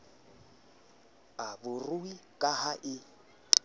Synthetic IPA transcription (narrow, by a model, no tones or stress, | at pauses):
abʊrʊikʼahaʔɪ